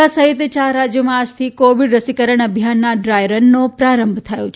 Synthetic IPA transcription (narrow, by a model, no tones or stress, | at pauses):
asəɦit̪t͡ʃaɾad͡ʒjəmãad͡ʒt̪ʰikoʋiɖɾəsikəɾəɳ̃əbʱjanːaɖɾajɾənːopɾaɾəmbʱt̪ʰəjõt͡ʃʰ